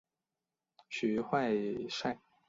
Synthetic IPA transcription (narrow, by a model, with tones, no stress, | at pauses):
ɕy˨˥xwa˥˧ɪʂa˥˩ɪ